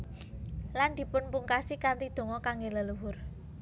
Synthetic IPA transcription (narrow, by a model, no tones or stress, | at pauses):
land̪̥i̤pʊnpuŋkasikant̪id̪̥o̤ŋɔkaŋɡeləluwʊr